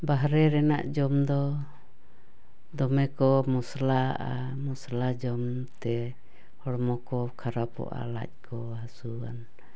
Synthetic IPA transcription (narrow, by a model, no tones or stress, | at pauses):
baɦɾɛɾɛna̰ʔd͡ʒɔmd̪ɔ | d̪ɔmɛkɔmuslaʔa | muslad͡ʒɔm | t̪ɛ | hɔɽmɔkɔkʰaɾapɔ̰ʔa̰la̰c̚ˀkʰɔ | ɦasuan